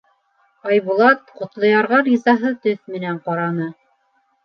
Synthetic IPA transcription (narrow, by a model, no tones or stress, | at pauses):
ɑjβulˠɑt̪̚qŏt̪lˠɤ̆jɑɾʁɑɾʲizɑɦɤt̪ɵθmɘ̆næɴqɑɾɑnɤ